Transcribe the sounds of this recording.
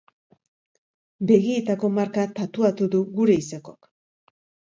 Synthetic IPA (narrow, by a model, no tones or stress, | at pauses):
be̞ɣiet̪ako̞maɾkat̪at̪uat̪uðuɣuɾe̞isako̞k